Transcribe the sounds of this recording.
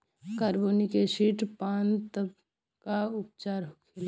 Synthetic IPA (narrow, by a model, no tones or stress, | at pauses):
kaɾboːnikesiːʈpaːnt̪əb | kaʊp̚t͡ʃaːɾɦkʰɪla